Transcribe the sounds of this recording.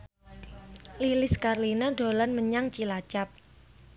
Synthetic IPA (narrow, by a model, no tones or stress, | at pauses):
lilɪskarlinaɖo̤lanməɲaŋt͡ʃilat͡ʃap̚